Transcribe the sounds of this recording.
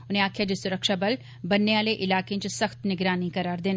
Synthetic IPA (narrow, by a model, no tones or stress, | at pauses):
ʊnɦẽaːkʰjad͡ʒɪsʊɾəkʃabɐl | bɐnːeʋaːleʔɪlaːkẽt͡ʃɐsɐxt̪nɪɡɾaːnikɐɾaːɾd̪eːn